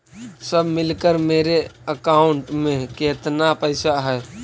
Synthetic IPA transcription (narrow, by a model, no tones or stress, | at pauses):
səbʱmɪlkəɾmeːɾeəkaːʊɳʈmẽkeːt̪napəɪsaɦɛː